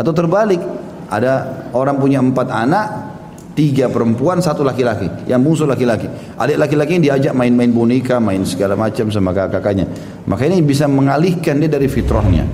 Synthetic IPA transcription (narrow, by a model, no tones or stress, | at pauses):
at̪awt̪ərbalɪk̚ | ʔa̰daoɾaŋpuɲaəmpat̪anaʔ | t̪iɡapəɾəmpuansat̪ulakilakijaŋbuŋsʊlakilaki | ʔa̰lɪʔlakilakiɲdiad͡ʒaʔ̚maɪnmaɪnbunikamaɪnsəɡalamat͡ʃams̬amakakakaɲa̰ | mʔakainibis̬aməŋalihkandiadaɾifit̪ɾɔhɲa̰